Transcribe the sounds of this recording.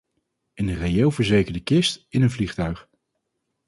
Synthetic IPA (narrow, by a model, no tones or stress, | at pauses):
ɪnərejelˠvəɹzejkəɹdəkɪstɪnənvliχtœɥχ